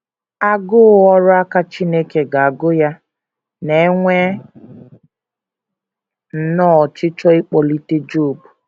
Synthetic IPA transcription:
a˦ɡʊ˦ɔ˦ɾʊ˦a˦ka˦t͡ʃi˦ne˦ke˨ɡa˨a˨ɡʊ˦ja˦ | ne˨˦ŋʷe˦ | n̩˨nɔː˦˨t͡ʃɪ˦t͡ʃɔ˦ɪ˦k͡pɔ˨li˦te˦d͡ʒo˦˨bu˨

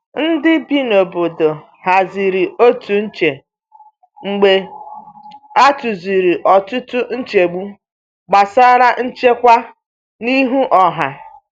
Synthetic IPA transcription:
n̩˦dɪ˦bi˦no˨bʊ˨dʊ˨ | ha˨zi˨ɾi˨o˦tu˨n̩˦t͡ʃe˨ | ŋ͡m̩˨ɡ͡be˨ | a˦tu˨zi˨ɾi˨ʔɔ˨tʊ˦tʊ˦n̩˦t͡ʃe˨ɡ͡bu˦ | ɡ͡ba˨sa˦ɾa˦n̩˦t͡ʃe˦kʷa˦ | ni˦ɦu˦ʔɔ˨ɦa˨

